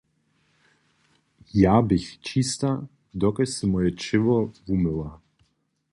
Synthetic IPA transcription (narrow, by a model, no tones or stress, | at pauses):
jaːbɪxt͡ʃist̪a | d̪ɔkɛsɪmɔjɛt͡ʃɪvɔvumɘlˠa